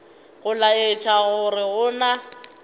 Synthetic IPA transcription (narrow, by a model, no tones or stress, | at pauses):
ɣʊlaɪt͡ʃʰʼaɣʊrɪɣʊna